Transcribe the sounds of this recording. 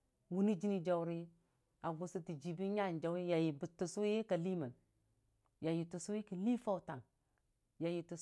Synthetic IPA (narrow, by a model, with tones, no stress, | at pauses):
wu˦ni˦d͡ʒi˦ni˦d͡ʒa˨wɾi˦ | a˨ɡu˨si˦ti˨d͡ʒi˨bi˦ɲa˦˨nd͡ʒa˨˦wi˦ja˨ji˨bi˨tu˨su˦je˦ka˨li˦mə˨n | ja˨ji˨tu˨su˦ji˦ki˨li˦fa˦wta˨ŋ | ja˨ji˨tu˨